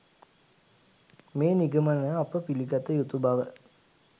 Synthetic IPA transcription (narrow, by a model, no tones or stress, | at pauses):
meːniɡəmanəapəpiliɡat̪əjut̪ubaʋə